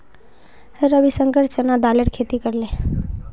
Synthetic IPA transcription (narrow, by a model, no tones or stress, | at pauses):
ɾəbʱisəŋɡəɾt͡ʃənad̪aləʈkʰet̪ikəɾlẽ